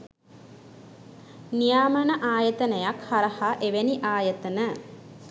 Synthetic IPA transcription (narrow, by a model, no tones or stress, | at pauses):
nijaːmənəʔaːjət̪ənəjakhaɾəhaʔeʋeniʔaːjət̪ənə